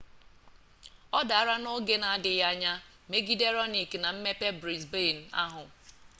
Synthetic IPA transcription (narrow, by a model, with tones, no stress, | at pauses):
ɔ˦da˨a˦ɾa˦no˦ɡe˦na˨a˦dɪ˨ja˦ɲa˦ | me˦ɡi˦de˦ɾɔ˦ni˨kna˨m̩˦me˦pe˦bɾi˨sbe˦˨n̩˨a̰˦ɦʊ˨